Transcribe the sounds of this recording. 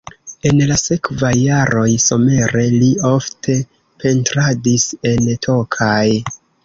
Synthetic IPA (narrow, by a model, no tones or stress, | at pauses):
e̞nlase̞kvajːaɾo̞jso̞me̞ɾe̞lio̞ftʰe̞ | pʰe̞ntɾadise̞ntʰo̞kʰaj